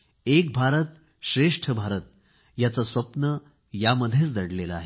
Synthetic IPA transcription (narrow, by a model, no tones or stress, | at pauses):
ek̚bʱaɾət̪ | ɕɾeʂʈʰəbʱaɾət̪̚ | jat͡sasʋəpnə | jaməd̪ʱːjet͡sd̪əɽleləaɦe